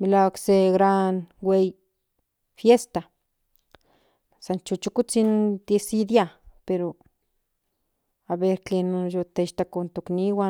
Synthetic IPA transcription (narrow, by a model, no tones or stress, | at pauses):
milawakseɡɾanwej | fjest̪a | sant͡ʃut͡ʃukut͡sind̪esid̪japeɾo | aβeɾt͡ɬenojot̪eʃt̪akont̪okniwa